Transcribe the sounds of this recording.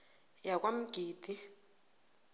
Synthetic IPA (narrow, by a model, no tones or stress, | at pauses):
jakʼwam̩ɡ̥ʱiːd̥ʱʼi